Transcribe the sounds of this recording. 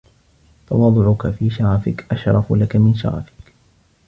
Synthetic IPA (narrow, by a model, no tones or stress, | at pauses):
t̪ɑwɑːd̪ˤʊʕʊkafiːʃaɾɑfɪkʔaʃɾˤɑflakamɪnʃa̰ɾɑ̰fɪ̥k